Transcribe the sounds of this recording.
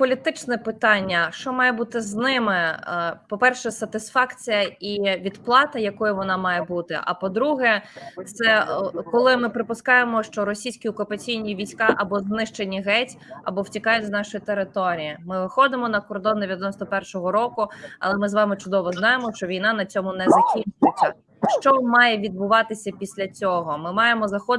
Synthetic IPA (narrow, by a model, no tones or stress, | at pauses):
pɔlʲit̪ɪt͡ʃnɛpɪt̪ɑnʲːɐʃt͡ʃɔmɑjɛbut̪ɪznɪmɪpɔpɛrʃɛsɐt̪ɪsfɑkt͡sʲijɐiʋʲid̪plˠɑt̪ɐjɐkɔjʊʋɔnɑmɑjɛbut̪ɪ̰ʔɐ̰pɔd̪ɾuɦɛt̪sɛkɔlˠɪmɪpɾɪpʊskɑjemɔʃt͡ʃɔɾɔsʲijsʲkʲiɔkʊpɐt͡sʲijnʲiʋʲijsʲkɑʔɐbɔznɪʃt͡ʃenʲiɦɛtʲɐ̰bɔwtʲikɑjʊtʲznɑʃɔjit̪eɾɪt̪ɔɾʲijimɪʋɪxɔd̪ɪmɔnɐkɔrd̪ɔnd̪eʋʲjdɐnɔst̪ɔpɛrʃɔɦɔɾɔkʊɐ̰lˠɛmɪzʋɑmɪt͡ʃʊd̪ɔʋɔznɑjemɔʃt͡ʃɔʋʲijn̪ɑnɐt͡sʲɔmʊnɛzɐkʲinʲt͡ʃʊjʊt͡sʲːɐ | ʃt͡ʃɔmɑjɛʋʲid̪̚bʊʋɑt̪ɪsʲɐpʲisʲlʲɐt͡sʲɔɦɔmɪmɑjemɔzɐxɔ